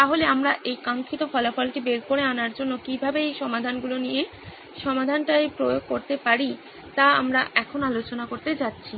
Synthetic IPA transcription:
t̪aɦoleamɾaʔejkaŋkʰit̪ofɔlafɔlʈibeɾkoɾeanaɾd͡ʑonːokibʱabeejʃɔmad̪ʱanɡulonije | ʃɔmad̪ʱanʈaejpɾojoɡ̚koɾt̪epaɾi | t̪aamɾaʔɛkʰonoalot͡ɕonakoɾt̪et͡ɕatːɕʰi

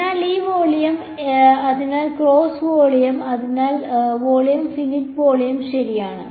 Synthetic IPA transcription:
aːliːʋoːɭijɐm | ɐðinaːlkroːsʋoːɭijɐmɐðinaːlʋoːɭijɐmfinitʋoːɭijɐmɕɐɾijaːɳɨ̰

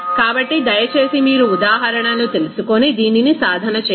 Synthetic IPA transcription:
kaːbɐʈːid̪ɐjɐt͡ʃe̞ːsimiːɾuːd̪aːɦɐɾɐɳɐlut̪e̞lusukonid̪iːninisaːd̪ʱɐnɐt͡ʃː

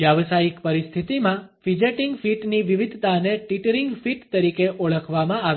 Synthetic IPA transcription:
jaʋsaikpəɾist̪ʰit̪imãfid͡ʒeʈiŋɡfiʈniʋiʋid̪ʱt̪aneʈiʈəɾiŋɡfiʈt̪əɾikeʔoɭəkʰʋamãaʋ

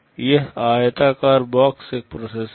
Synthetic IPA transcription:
jeɦaːjet̪aːkaːɾbaːkseːk̚pɾoːses

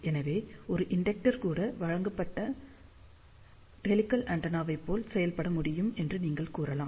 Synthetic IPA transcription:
ɛnɐʋeːɔɾɯʔɪɳɖɛk̚ʈɐɾkuːɽɐʋɐɻɐŋɡɐpːɐʈːɐ | ʈɛlɪkːɐlʔɐɳɖɐnaːʋɐɪpːoːlsɛjɐlpɐɽɐmʊɽɪjɯmɛndrɯniːŋɡɐɭkuːrɐlaː

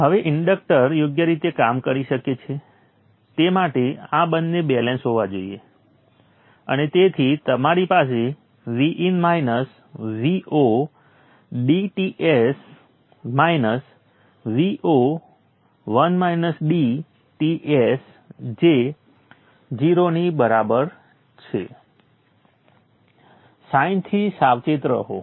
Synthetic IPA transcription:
ɦəʋeʔɪɳɖək̚ʈəɾjoɡjəɾit̪ekamkəɾiʃəket͡ʃʰe | t̪emaʈeabənːebɛlẽnsɦoʋad͡ʒoiḛ | ə̰net̪et̪ʰit̪əmaɾipas̬e | ʋiʔinmainəs | ʋiʔo | ɖiʈiʔes | mainəs | ʋiʔo | ʋənmainəsɖi | ʈiʔes | d͡ʒe | d͡ʒiɾonibəɾabəɾ | t͡ʃʰḛ | saĩnt̪ʰisaʋt͡ʃet̪ɾə̰ɦo

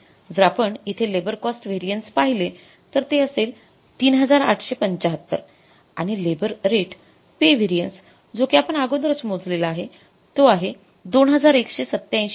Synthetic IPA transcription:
d͡zɾapəɳit̪ʰelebəɾkɔsʈʋeɾijənspaɦile | t̪əɾt̪eəsel | t̪iːnɦəd͡zaɾa̰ʈʰɕepəɲt͡ɕaɦət̪ːə̰ɾ | a̰ɽ̃ilebəɾɾeʈ | peʋeɾijəns | d͡zokjapəɳaɡod̪əɾət͡smod͡zlelaaɦe | t̪oaɦe | d̪onɦəd͡zaɾekɕesət̪ːjãj̃ɕ

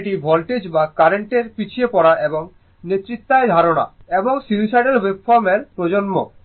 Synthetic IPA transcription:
ʈibʱɔlʈed͡ʑbakaɾeɳʈeɾpit͡ɕʰiepɔɽaʔeboŋ | net̪ːɾit̪ːaed̪ʱaɾona̰eboŋsilsaɖelwebfɔɾmeɾpɾod͡ʑonmo

